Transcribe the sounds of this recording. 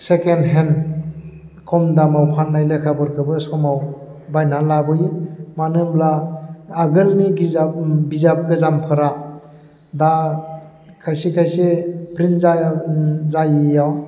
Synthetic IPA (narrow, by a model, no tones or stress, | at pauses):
sekenɦen | kʰɔmdamawpʰanːajlekʰabɔɾkʰɯbɯsɔmawbajnalabɯjɯmanɯmlaː | ɡɯlniɡiabizap̚ɡɯzampʰɯɾa | da | kʰajsikʰajsepɾinzajzajjaw